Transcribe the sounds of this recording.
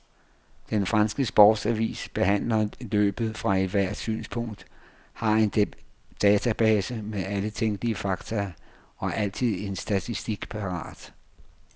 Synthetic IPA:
d̥enfʁɑnsɡ̥əsb̥ɒːd̥sæʋḭːsb̥e̝ɦæn̰lɐlø̰ːb̥ð̩ˠfʁɑ̈eʋæɐ̰d̥sy̰ːnspʰɔ̽ŋ̰d̥ | hɑ̈e̝nd̥ɛːt͡sʰæb̥ɛːsəmeðˠælət͡sʰeŋ̰ɡ̥liəfɑ̈ɡ̥t͡sʰɐ | ɒ̽æɐʔæl̰t͡sʰið̞̰ˠe̝nsd̥æt͡sʰisd̥iɡ̥pʰɑ̈ʁɑ̰̈ːd̥

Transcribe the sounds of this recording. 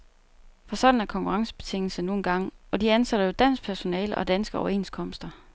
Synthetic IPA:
fɒ̽sɒ̽d̥n̩æɐkʰɒ̽ŋkʰuʁɑ̈ŋsə̥b̥e̝t͡sʰe̝ŋ̰l̩səno̝ːn̩ɡ̥ɑ̈ŋ̰ɒ̽d̥iænsæɾ̥ɐjo̝d̥æn̰sɡ̥̚pʰæɐso̝nɛ̰ːləʔɒ̽d̥ænsɡ̥əɒʊɐe̝̰ːnskʰɒ̽m̰sd̥ɐ

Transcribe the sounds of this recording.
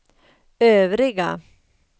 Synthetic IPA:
øːvɾɪɡa

